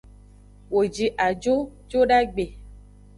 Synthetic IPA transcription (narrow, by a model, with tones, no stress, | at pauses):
wo˨d͡ʒi˨ʔa˨d͡ʒo˦d͡ʒo˦ɖa˦ɡ͡be˨